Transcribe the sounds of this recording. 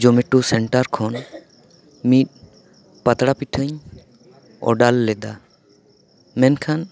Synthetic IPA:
d͡ʒɔmɛʈusɛɳʈaɾkʰɔn | mit̪̚ | pat̪ɽapiʈʰəɲ | ɔ̰ɖalːɛd̪a | mɛnkʰan

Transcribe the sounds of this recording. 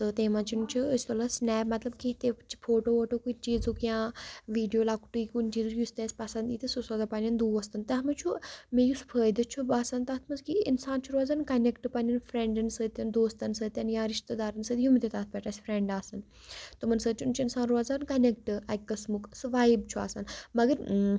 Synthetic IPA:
t̪ɨt̪eːmãt͡ʃʰunt͡ʃʰuəsʲt̪olɐsnɛːpmɐt̪lɐb̚kit̪et͡ʃʰi̥pʰoːʈoːoːʈoːkut͡ʃiːzukjãːʋiːɖijoːlaːku̥ʈuikunt͡ʃiːzujust̪eːsʲpɐsɐnd̪iːt̪isusoːzapɐnʲɐnd̪uːɐst̪ɐnt̪ɐɦɐmit͡ʃʰumejuspʰəːd̪ɐt͡ʃʰubasɐnt̪aːt̪ʰmɐnzkiḭnsaːnt͡ʃʰuɾozaːnkɐnekʈpɐnɐnfʰɾeɳɖɐnsət̪ʲɐnd̪oːst̪ɐnsəːt̪ʲɐnjãːɾiʃt̪ɐd̪aːɾɐnsəːd̪jumit̪et̪at̪̚ʰpʲɛʈasʲpʰɾeɳɖaːsɐn | t̪ɨmɐnsəːd̪t͡ʃʰunt͡ʃʰuinsaːnɾozaːnkɐnek̚ʈɨɐkːɐsmuksʋaːjbt͡ʃʰua̰ːsɐnmɐɡɐɾ

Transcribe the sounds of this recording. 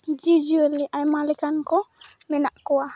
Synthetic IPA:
d͡ʒid͡ʒuɛliʔajmalikankɔ | mɛnaʔkɔwa

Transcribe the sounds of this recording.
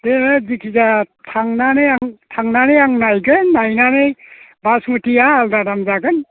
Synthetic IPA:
deɯdikʰizatʰaŋnaneaŋtʰaŋnanejaŋnajɡɯnːajnanej | basmɯtijaːldadamzaɡɯn

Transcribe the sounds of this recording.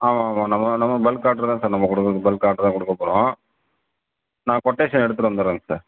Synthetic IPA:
aːmaːmãːnɐmːɐnɐmːɐbɛlkːaːɾʈɐɾt̪ãːsaːɾnɐmːɐkɔɽɯkːɐkːɐbɛlkːaːɾʈɾt̪ãːkʊɽɯkːɐpːoːɽõː | nãːkɔʈːeːʂɐnɛɽɯt̪̬ːɯʈʋɐnd̪ɯɾẽːŋɡɐsaːɾ

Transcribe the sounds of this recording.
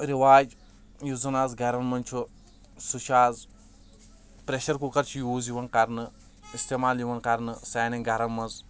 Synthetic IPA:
ɾiʋaːd͡ʒ | juzɐnazɡɐɾɐnmɐnʲt͡ʃʰu | suʃʰaːz | pɾeʃɐɾkukɐɾt͡ʃʰijuːziʋɐnkɐɾnɨ | ist̪emaːljiʋɐnkɐɾnɨsaːniŋɡɐɾɐnmɐz

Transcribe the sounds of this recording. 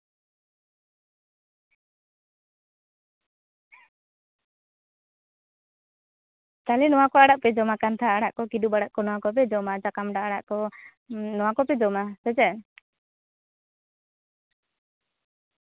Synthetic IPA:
t̪alɛnɔwakɔaɽaʔpɛd͡ʒɔmakant̪ʰaaɽaʔkɔkidubaɽaʔkɔnɔwakɔp̬ɛd͡ʒɔmad͡ʒakamɖaaɽa̰ʔkɔ | nɔwakɔpɛd͡ʒɔmasɛd͡ʒɛn

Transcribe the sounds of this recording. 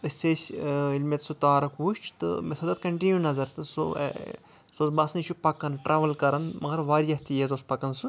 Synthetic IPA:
əsʲseːsʲilʲmet̪sut̪aːɾɐkuːʃt͡ʃʰt̪ɨ̰mesʰod̪ɐt̪kɐɳʈinʲjunɐzɐɾt̪ɨso̰ | soːzbɐsnɨt͡ʃʰupɐkɐnʈɾaːʋɐlkɐɾɐnmɐɡɐɾʋaːɾijɐht̪ijezospɐkɐnsɨ

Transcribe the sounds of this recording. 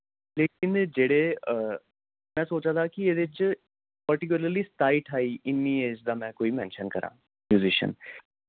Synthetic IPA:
leːkɪnd͡ʒeːɽeːə | mɛ̃ːsoːt͡ʃãːd̪aːkieːd̪et͡ʃ | pəɾʈɪk̬ʊləɾliːst̪aːiʈʰaːiːʔɪnːĩːeːd͡ʒd̪aːmɛ̃ːkoːiːmɛ̰̃ːnʃənkəɾʔã̰ː | mjuːzɪʃə̰n

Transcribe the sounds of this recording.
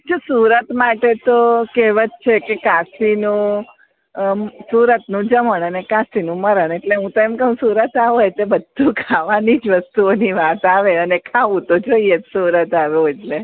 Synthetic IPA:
t͡ʃʰosuɾət̪maʈet̪okeʋət͡ʃt͡ʃʰekekasinũ | suɾət̪nũd͡ʒəməɳənekãsinũməɾəɳeʈleɦũt̪oɛmkəɦũsuɾət̪aʋojt̪ebəd̪ʱːukʰaʋanid͡ʒʋəst̪uoniʋat̪aʋeənekʰaʋũt̪od͡ʒoiet̪suɾət̪aʋeoed͡ʒle

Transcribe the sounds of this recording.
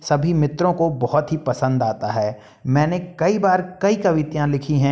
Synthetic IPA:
sɐbʱimɪt̪ɾõkobɔɦɔt̪ɦipɐsə̃nd̪aːt̪aɦɛː | mɛ̃ːnekɐibaːɾkɐikɐʋɪt̪jãlɪkʰiɦɛ̃

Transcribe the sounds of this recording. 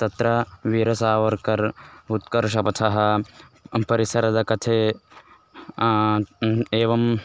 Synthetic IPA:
t̪ɐt̪ɾɐʋiːɾɐsaːʋɐɾkɐɾut̪kɐɾʃɐpɐt̪ʰɐɦɐ | pɐɾisɐɾɐd̪ɐkɐt̪ʰe | eːʋɐm

